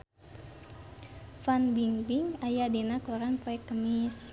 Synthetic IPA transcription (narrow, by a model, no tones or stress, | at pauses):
fanbiŋbiŋajadinakoɾaŋt̪ɔɛkːəmɪs